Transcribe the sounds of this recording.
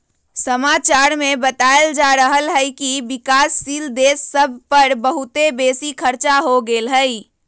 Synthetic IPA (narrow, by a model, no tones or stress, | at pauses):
səmat͡ʃaɾmebət̪aeld͡ʒaɾəɦəlɦəjkibɪkaːsːiːld̪eːsːəbʱpəɾbəɦut̪ebeːsikʰəɾt͡ʃaɦoɡelɦəi